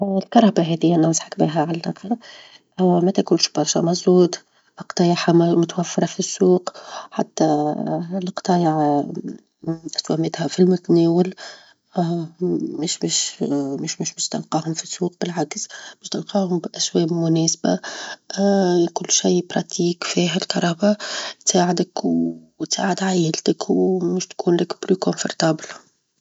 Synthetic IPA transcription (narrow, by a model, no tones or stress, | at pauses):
lkɑɾˤɑbaɦɛðɪjːænasħakbḭːɦæʕalnɑql | hʊwmæt̪ækuːnʃb̥ɑɾˤʃæ̰mɑzˤuːd̪ | qt̪ˤɑːjɑħammʊt̪wæfːɑɾˤɑfisːuːqħa̰t̪ːa | lqt̪ˤɑːjɑʕ | ʔɪswæmɪt̪hɛfilmʊt̪nɛːwəl | ɪʃmɪʃmɪʃmɪʃmɪʃt̪ɑlqɑːhʊmfisːuːq̚bɪlʕaksmɪʃt̪ɑlqɑːhʊmbʔæswɛːbmʊnɛːsba̰ | kʊlːʃajbɾˤɑt̪iːkfiːɦɪlkɑɾˤɑːbat̪saːʕɪd̪əkw | t̪sa̰ːʕɪd̪ʕajəlt̪əkʰwmɪʃt̪kʰuːnlɪkblyːkʊnfʊ̰ɾˤt̪ɑːbl